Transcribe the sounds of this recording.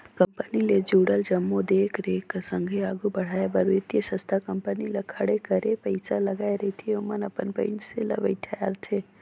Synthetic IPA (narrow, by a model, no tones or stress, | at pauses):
kəmpəniled͡ʒuːɽəld͡ʒɐmːod̪eːkʰɾeksə̃ŋɡʱeaːɡubɐɽ̤aːebəɾʋɪt̪jəsə̃st̪ʰakɐmpənilɐkʰɐɽekəɾepɐɪsalɐɡaːeɾɐɦit̪ʰieʊmənɐpənpə̰̃ɪnselɐ̰bə̰iʈʰɐja̰ːɾt̪ʰeː